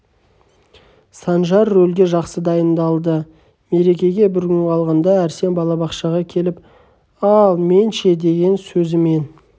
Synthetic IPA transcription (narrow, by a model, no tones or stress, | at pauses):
sɑnʒɑrːɵlɡʲe̞ʒɑqsəd̪ɑjənd̪ɑlˠd̪ə | me̞ɾe̞kʲe̞ɡʲe̞bɪɾɡʲʏnʰɑlˠʁɑnd̪ɑæɾse̞nbɑlˠɑbɑqʃɑʁɑkʲʰe̞lɪp | ɑlˠme̞nʃe̞d̪e̞ɡʲe̞nsɵzɪme̞n